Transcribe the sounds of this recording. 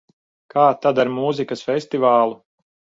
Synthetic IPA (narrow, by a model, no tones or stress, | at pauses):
kʰaːt̪ad̪aɾmuzikɐsfɛsʲt̪ivaːlˠu